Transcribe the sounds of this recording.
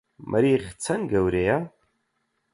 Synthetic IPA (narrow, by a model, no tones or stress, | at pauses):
mʔa̰ɾiχʲt͡sʰɐnɡawɾeja